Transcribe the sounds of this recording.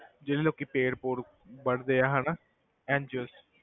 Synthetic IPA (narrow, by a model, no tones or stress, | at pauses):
d͡ʒeːliːloːkiːpeːɽpoːɾ | bəɽd̪eːaːɦaːnaː | ɛ̃ːnd͡ʒəs